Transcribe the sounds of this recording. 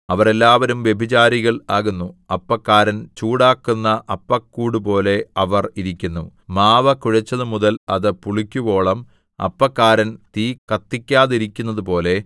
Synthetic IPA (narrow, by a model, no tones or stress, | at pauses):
ɐʋɐre̞lːaːʋɐɾumʋje̞bʱit͡ɕaːɾiɣɐɭaːɣunːuɐpːɐkːaːɾɐnt͡ɕuːɽaːkːunːɐʔɐpːɐkːuːɽup̬o̞ːle̞ɐʋɐriɾikʲːunːumaːʋɐkuɻɐt͡ɕːɐðɨmuðɐlɐðɨpuɭikʲːuʋo̞ːɭɐm | ɐ̰pːɐkːaːɾɐnt̪iːkɐt̪ːikʲːaːðiɾikʲːunːɐðupo̞ːle̞